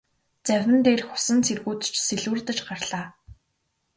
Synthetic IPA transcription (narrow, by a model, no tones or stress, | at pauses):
t͡sæwʲɪ̆nt̪eːrxʊ̥sə̆nt͡sʰerɣuːt̪t͡ɕseɮŭrt̪ə̆t͡ɕɢarɮ̥aː